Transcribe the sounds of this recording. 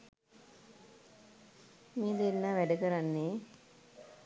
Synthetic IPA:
meːd̪enːaːʋæɖəkəɾanːeː

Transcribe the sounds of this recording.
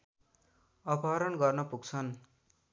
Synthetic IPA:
ʌpʰaɾʌnɡʌrnʌpuɡt͡sʰʌn

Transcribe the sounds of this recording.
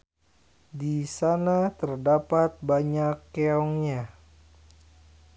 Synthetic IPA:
disanat̪ərdapat̪̚baɲakːeɔŋɲa

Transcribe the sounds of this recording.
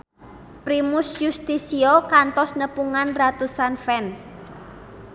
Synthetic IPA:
pɾimusjust̪isiokant̪ɔsnəpuŋanrat̪usanfɛns

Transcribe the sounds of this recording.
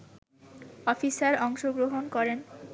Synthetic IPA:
ɔfisaɾɔŋʃoɡɾoɦonkɔɾen

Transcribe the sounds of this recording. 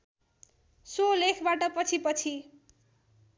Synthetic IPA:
solekʰbaʈʌpʌt͡sʰipʌt͡sʰi

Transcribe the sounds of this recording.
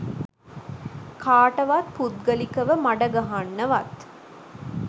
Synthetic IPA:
kʰaːʈɐʋat̪̚pud̪̚ɡɐlikɐʋəmaɖɐɡɐɦanːɐʋɐt̪

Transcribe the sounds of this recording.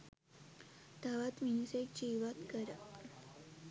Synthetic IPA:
t̪aʋat̪minuset͡ɕiʋat̪kəɾa

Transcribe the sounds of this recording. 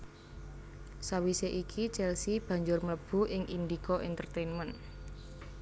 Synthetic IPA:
sawiseʔikʰit͡ʃɛlsib̥ä̤ɲd͡ʒʊrmələb̥ṳʔɪŋʔind̪ikɔʔint̪ərt̪enmən

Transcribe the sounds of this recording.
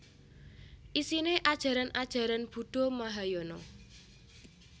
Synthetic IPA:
ʔisineʔad̥ʒ̥a̤ɾanʔad̥ʒ̥a̤ɾanb̥ṳɖ̥ɔ̤maɦajɔnɔ

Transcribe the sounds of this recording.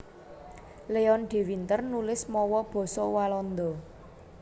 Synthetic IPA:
leɔnɖ̪̥e̤wint̪ərnulɪsmɔwɔb̥ɔ̤sɔwalɔnd̪ɔ

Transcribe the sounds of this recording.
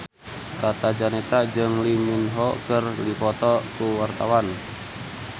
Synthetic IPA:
kat̪ad͡ʒanɛt̪ad͡ʒɨŋliminɦɔkərlipɔt̪ɔkuwart̪awan

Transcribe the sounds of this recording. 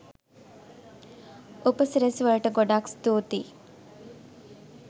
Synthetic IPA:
upəsiɾesʋaɭəʈəɡoɖakst̪oːt̪i

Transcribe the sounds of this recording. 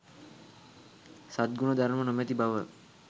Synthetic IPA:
sat̪̚ɡunəd̪aɾmənomɛt̪ibaʋə

